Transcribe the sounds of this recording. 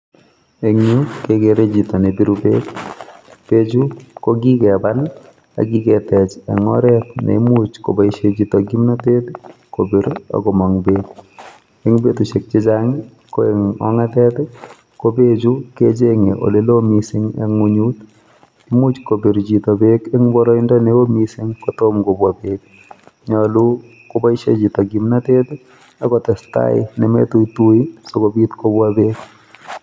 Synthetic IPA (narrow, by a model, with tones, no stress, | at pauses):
e˨ŋɲu˦t̪kekeɾe˦d͡ʒit̪ɔ˨ne˨bi˦ɾubḛt | pe˦d͡ʒu˦ko˦ɡi˦kɛ˨ba˦n | a̰˨ɡi˦kɛtɛ˨t͡ʃɛ̰˨ŋɔ̰˦ɾɛ˦t̪nɛ̰mut͡ʃko̰˨baʃe˦d͡ʒi˦tɔɡi˦mna˦te˦t̪kobe˨ɾɔ̰˨ɡɔ˨mɔ˨ŋbet̪ | e˦ŋbe˦t̪o˨ʃe˨k̚t͡ʃe˦d͡ʒaŋɪ | ko˦eŋɔ̰˦ŋa˦tɛ˦t̪ | kobe˦d͡ʒuke˦d͡ʒeŋḛ˨ʔo̰˨le˦lo˦misɪ˦ŋɛ̰ŋuɲut | ki˦mu˦t͡ʃko˨be˨ɾd͡ʒi˨tɔ˨be˦keŋbɔ˦ɾɔ˦ɪ˦ndɔ˦newo˦misɪ˦ŋkotomko˨bwabek̚ | ɲɔlu˦ | ko˦ba˦iʃe˦d͡ʒi˨tɔ˨ɡi˨mna˦tɛt | a˦kɔtɛ˨sta̰ɪ̰nɛ˨mɛ̰˦tu˦itu˦iso˦kobi˦tko˦bwabe˦k